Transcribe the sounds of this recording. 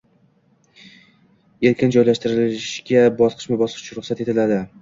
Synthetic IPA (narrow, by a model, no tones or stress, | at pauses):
e̞ɾkʲʰɪnd͡ʒɒjlaʃt̪ɪɾɪlɪʃɡʲabɒsqʰɨ̥ʃmɪbɒsqʰɨʃt͡ʃʰʊɾʊχsat̪et̪ʰɪlad̪ɪ